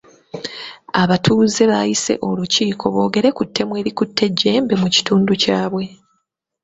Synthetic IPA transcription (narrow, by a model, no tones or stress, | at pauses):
aβatʰuːze̞βajise̞̰ʔo̞luciːkʰo̞βo̞ːɡe̞ɾe̞kutʰːe̞mwe̞ːɾikutʰːe̞ɟːe̞ːmbemuci̥tuːnducaːβwe̞